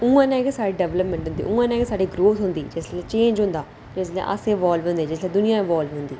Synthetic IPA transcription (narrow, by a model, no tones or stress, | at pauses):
ʊ̃ːãːnɛːɡsaːɖeɖɛʋləpmẽːɳʈɦʊ̃nd̪ḭːʔʊ̃ːãːnɛ̃ːɡesaːɖiːɡɾoːt̪ʰɦʊ̃nd̪iːd͡ʒɪsɛt͡ʃẽːnd͡ʒɦʊ̃nd̪aː | d͡ʒɪslɛ̰̃ʔə̰sẽːʋaːlʋɦʊ̃nd̪eːd͡ʒɪslɛːd̪ʊnɪjãːɪʋaːlʋɦʊ̃nd̪iː